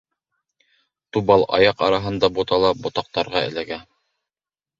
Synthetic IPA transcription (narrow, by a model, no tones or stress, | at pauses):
t̪ubɑlˠɑ̰jɑqɑ̰ɾɑɦɤ̆nd̪ɑbot̪ɑlˠɑbŏt̪ɑq̚t̪ɑɾʁɑɘ̰̆læɡæ